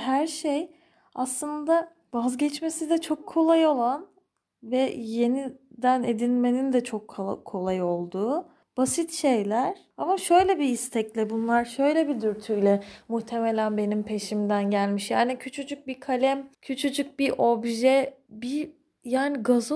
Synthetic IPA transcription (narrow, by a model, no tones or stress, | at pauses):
ɦæɾʃej | aslˠɯnd̪a | vazɟɛt͡ʃme̞sid̪ɛt͡ʃʰo̞kʰːo̞lˠajo̞lˠan | vɛje̞nid̪ænḛd̪inʲme̞nind̪ɛt͡ʃʰokʰːo̞lˠajo̞lˠd̪uː | b̥asit̪ʃe̞jlʲæɾ̥ | amaʃø̞jlʲɛbiist̪ʰɛclʲɛbunlˠaɾʃø̞jlʲɛbid̪yɾt̪ʰyjlʲɛmuht̪ʰe̞melʲænbe̞nimpʰe̞ʃimd̪ænɟælʲmiʃjaːnicʰyt͡ʃʰyt͡ʃʰyc̚bikʰalʲɛmcʰyt͡ʃʰyt͡ʃʰyc̚biʔobʒɛbi | jaːniɡazu